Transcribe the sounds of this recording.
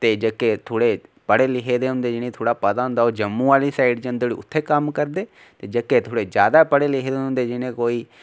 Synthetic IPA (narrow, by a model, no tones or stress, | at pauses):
t̪eːd͡ʒəkːeːt̪ʰoːɽeːpəɽeːlɪkʰeːd̪eːɦʊ̃nd̪eːd͡ʒɪnẽːt̪ʰoːɽaːpət̪aːɦʊ̃nd̪aːoːd͡ʒəmːũːaːliːsaːiɖd͡ʒənd̪oɽḭːʊ̰t̪ʰːeːkəmkəɾd̪eː | t̪eːd͡ʒəkːeːt̪ʰoːɽeːd͡ʒjaːd̪aːpəɽeːlɪkʰeːd̪eːɦʊ̃nd̪eːd͡ʒɪnẽːkoːiː